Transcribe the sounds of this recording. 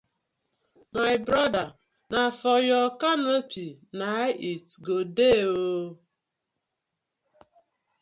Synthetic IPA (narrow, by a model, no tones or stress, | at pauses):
majbɾɔda | nafɔjɔkanopʰinaitɡodeo